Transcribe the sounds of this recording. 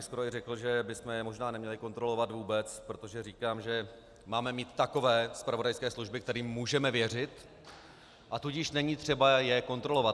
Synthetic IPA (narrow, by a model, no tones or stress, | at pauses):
skoɾoɪrɛkl̩ʒɛbɪsmɛɛmo̞ʒnaːnɛmɲɛlɪko̞nt̪ɾolo̞vat̪vuːbɛt͡spɾo̞t̪o̞ʒɛriːkaːmʒɛ | maːmɛmiːt̪ːako̞vɛːspɾavodajskɛːsluʒbɪkt̪ɛɾiːmːuːʒɛmɛvjɛr̝ɪt̪ | ʔat̪uɟɪʃnɛɲiːt̪r̝̥ɛbajɛko̞nt̪ɾo̞lo̞vat̪